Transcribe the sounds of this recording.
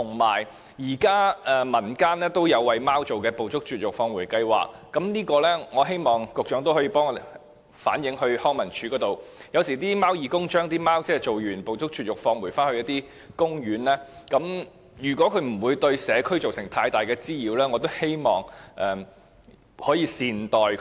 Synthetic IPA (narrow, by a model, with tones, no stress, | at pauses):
t̪ʰʊ˨˩ŋmaː˨˩j | jiː˨˩kaː˥ʔɛ˨˩mɐ˨˩nkaː˥nlɛː˥t̪o˥wjɐ˨˧wːɐ˨jmaː˥wt͡so˨wkɛː˧po˨wt͡sʊ˥k̚t͡ʃyː˨t̚jʊ˨k̚fɔː˧ŋwuː˨˩jkɐ˧jwa̰ː˨k̚ːɐ˨˥mniː˥kɔː˧lɛː˥ŋɔː˨˧ɦe˥jmɔː˨˩ŋkʊ˨k̚t͡ʃœː˨˥ŋt̪o˥whɔ˨˥ji˧pɔː˥ŋɔ˧ | fa̰ː˨˥njɪ˨˥ŋhɵ˧ɥhɔː˥ŋmɐ˨˩nt͡ʃʰy˨˧˥kɔː˨˥t̪o˨wjɐ˨˧wsiː˨˩t̪iː˥maː˥wjiː˨˧kʊ˥ŋt͡ʃœː˥ŋt̪iː˥maː˥wt͡sɛː˥t͡ʃt͡so˨wɥyː˨˩npo˨wt͡sʊ˥k̚t͡ʃyː˨t̚jʊ˨k̚fɔː˧ŋwu˨˩jfaː˥nhɵ˧jɐ˥t̪iː˥ | kʊ˥ŋjyː˨˥nlɛː˥kɐ˨˥m | jyː˨˩kʷɔː˨˥kʰɵ˧ɥm̩˨˩wuː˨˧jt̪ɵ˧ɥsɛː˨˧kʰɵ˥ɥt͡so˨wsɪ˨˩ŋt̪ʰaː˧jt̪aː˨˩jkɛː˧t͡siː˥jiː˨˧wlɛː˥ŋɔ˨˧t̪o˥whe˥jmɔː˨ŋʔɛː˨˩ | hɔː˨˥jiː˧siː˨nt̪ɔː˨j